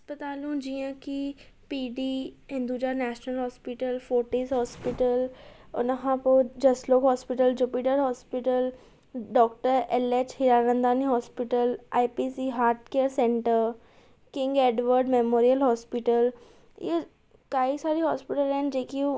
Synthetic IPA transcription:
ɐspət̪aːlũd͡ʒijãki | piːɖiːɦɪ̃nd̪ud͡ʒaːnɛːʃnəlɦɔːspɪʈəlfoːʈiːzɦɔːspɪʈəlʊ̰nəɦãpod͡ʒɐsloːkɦɔːspɪʈəld͡ʒupiʈəɾɦɔːspɪʈəl | ɖɔːk̚ʈəɾɛleːt͡ʃhɪɾaːnə̃nd̪aːniɦɔːspɪʈəlaːipiːsiːɦaːɾʈkeːɾsẽɳʈəɾ | kɪ̃ŋɡeːɖʋəɾɖmemoːɾijəlɦɔːspɪʈəl | je | kaːisaːɾiɦɔːspɪʈəlɛ̃ːnd͡ʒeːki

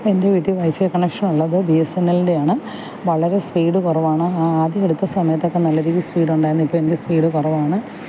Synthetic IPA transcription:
poende̞ʋiːʈːiʋɐjfijɐkɐɳekʂɐnuɭːɐðɨbiesenːɐlinde̞jaːɳɨ | ʋɐɭɐɾe̞spiːɽɨkurɐʋaːɳɨaːaːd̪jɐeɽut̪ːɐsɐmɐjɐt̪ːo̞kːe̞nɐlːɐɾikʲːispiːɽuɳɖaːjɾunɐipːoːenikʲɨspiːɽɨkurɐʋaːɳɨ

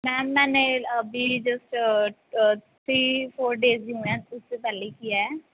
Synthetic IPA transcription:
mɛ̃ːmɛ̃ːneəbiːd͡ʒəsʈ | t̪ʰɾiːpʰoːɾɖeːzũːɛ̃ːʊsːepɛːleikijaɛ

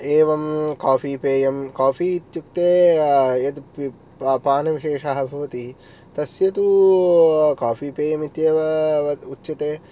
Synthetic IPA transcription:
eːʋɐmkaːfiːpeːjɐmkaːfiːt̪juk̚t̪eːjɐt̪p | paːnɐʋiʃeːʂaːɦɐbʱɐʋɐt̪i | t̪ɐsjɐt̪u | kaːfiːpeːjɐmit̪jeːʋɐʋɐutːʃɐt̪eː

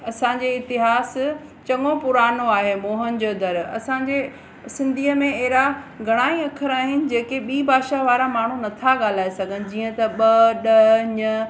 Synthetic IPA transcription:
ɐsãɲd͡ʑeɪt̪ɪɦaːs | t͡ɕɐŋõpʊɾaːnoaːɦemoːɦənɪ̆d͡ʑoːd̪ɐɾɐ̰sãːɲd͡ʑe | sɪ̃nd̪ʱiːəmẽeɦɪɾaɡʱɐɽ̃aːiɐkʰəɾaːɦɪnɪ̆d͡ʑeːkeɓiːbʱaːʃaʋaːɾamaːɳ̤unɐt̪ʰaɠaːl̤aːesɐɡʱənɪ̆d͡ʑiːə̃t̪ɐɓɐɗɐɲɐ

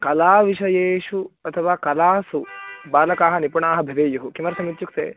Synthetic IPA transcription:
kɐlaːʋiʃɐjeːʃuɐt̪ʰɐʋaːkɐlaːsubaːlɐkaːɦɐ̆nipuɳaːɦɐ̆bʱɐʋeːjuɦukimɐɾt̪ʰɐmit̪ːjuksḛː

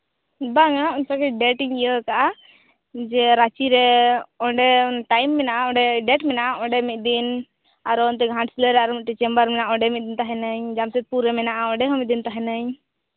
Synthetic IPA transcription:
baŋauɲsakɛɖɛʈiŋijəkaʔa | d͡ʒɛɾat͡ʃiɾɛɔɖɛʈajmːɛnaʔaɔ̃ɖɛɖɛʈmɛnaʔaɔɳɖɛmit̪̚ˀd̪in | aɾɔnt̪̬ɛɡʱãʈsiləɾɛaɾɔmit̪̚t̪ɛt͡ʃɛmbəɾmɛnaʔaɔ̃ɖɛmit̪̚d̪int̪aɦɛnəɲd͡ʒamsɛt̪̚puɾɛmɛnaʔaɔ̃ɖɛɦɔmit̪d̪int̪aɦɛnəɲ

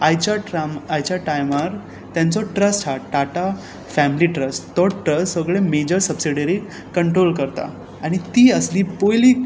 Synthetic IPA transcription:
ajt͡ɕaamajt͡ɕjaʈajmaɾ | t̪jãnt͡sɔʈɾəst͡ɕʰaʈaʈa | fæmiliʈɾəst̪ɔʈɾəssəɡɭemed͡ʑəɾsəbsiɽəɾi | kːəɳʈɾolkəɾt̪a̰ | aɽ̃it̪iːəsliːpojliː

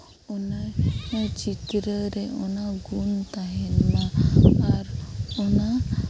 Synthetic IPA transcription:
ɔna | t͡ʃit̪ɾəɾɛɔnaɡunt̪aɦɛnmãaɾɔna

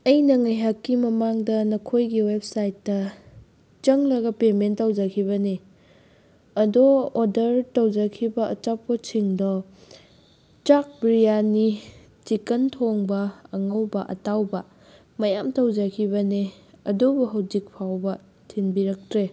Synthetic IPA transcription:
ɐjnɐŋajɦakːimɐmaŋdɐnɐkʰojɡiweb̚sajtːɐ | t͡ʃɐŋlɐɡɐpementɐwd͡ʒɐkʰiβɐne | ɐdoːdɐɾtowd͡ʒɐkʰibɐɐ̰t͡ʃap̚ːot͡ʃʰiŋdɔ | t͡ʃak̚bɾijani | t͡ʃikɐntʰoŋbɐɐŋɐwbɐʔɐ̰tawbɐ | mɐjamtɐwd͡ʒɐkʰiβɐneɐ̰dobuɦɐwd͡ʒik̚pʰawbɐ | tʰinbiɾɐk̚tɾe

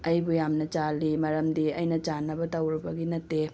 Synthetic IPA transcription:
ɐjbujamnɐt͡ʃalːimɐɾɐmdiɐjnɐt͡ʃanɐbɐtɐwɾibɐɡinɐtːe

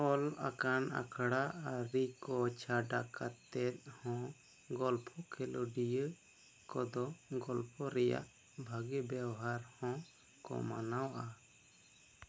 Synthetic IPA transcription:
ɔla̰kana̰kʰɽaʔaɾikɔt͡ʃʰaɖakat̪ɛt̪̚ˀhɔ̃ | ɡɔlpʰɔkʰɛlɔɖijə | kɔd̪ɔɡɔlpʰɔɾɛja̰ʔ | bʱaɡɛbawɦaɾhɔ̃ | kɔ̰ma̰nawʔa

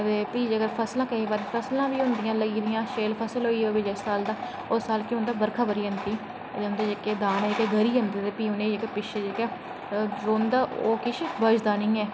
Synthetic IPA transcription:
ɾepiːd͡ʒəɡəɾpʰəslãːkəĩːbaːɾeːpʰəslãːʋiːɦʊ̃nd̪ɪjãːləɡiːd̪ɪjãːʃeːlpʰəsəlɦoːiːoːbɪd͡ʒɛːsaːld̪aː | ʊsaːlkɪʊ̃nd̪aːbəɾkʰaːbəɾiːɦənt̪iː | d͡ʒãːnd̪eːd͡ʒeːkeːd̪aːnɛɪkeɡəɾiːənd̪eːt̪eːpiːʊːneːekepɪʃed͡ʒeːkɛː | ɾoːnd̪aːʔoːkɪʃbəd͡ʒd̪aːnɪ̃ːɛː

